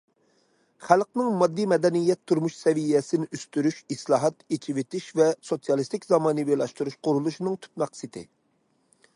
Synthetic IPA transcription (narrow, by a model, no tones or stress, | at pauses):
χælqnɪŋmɑd̪ːimɛd̪ɛnijɛt̪ʰːuɾmuʃsɛvijɛsɪnɪʔyst̪yɾyʃislˠɑːɦɑt̪et͡ʃʰivɪt̪iʃvɛsosijɑlˠist̪ɪkʲzɑmɑːnɨbelˠɑʃt̪uɾuʃqʊɾulˠuʃnɨŋt̪ʰy̥t̪̚mɛqsɨt̪ʰɪ̰